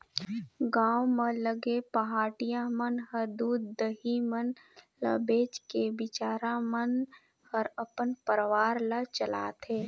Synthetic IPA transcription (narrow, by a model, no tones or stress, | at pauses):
ɡãːwmə̃ləɡepəɦaːʈijãmənɦəɾd̪uːd̪ːəɦimən | lə̰beːt͡ʃkebɪt͡ʃaːɾamən | həɾəpənpəɾʋaːɾlət͡ʃəla̰ːt̪eː